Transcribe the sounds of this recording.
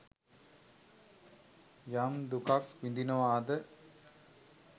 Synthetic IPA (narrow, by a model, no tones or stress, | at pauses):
jamd̪ukakʋind̪inɐʋaːd̪ə